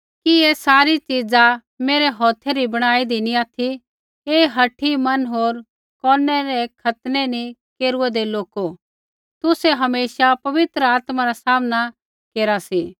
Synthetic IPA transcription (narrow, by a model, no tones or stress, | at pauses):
kieːsaːɾit͡ʃid͡za | meːɾɛɦɔːt̪ʰeɾibɐɽ̃aːid̪iniaːt̪ʰi | eːɦɐʈʰːimɐnɦoːɾ | kɔːnɛɾɛkʰɐt̪nɛnikeːɾuɛd̪eloːko | t̪ʊseɦɐmeːʃapɐʋɪt̪ɾəaːt̪maɾasaːmna | keːɾasi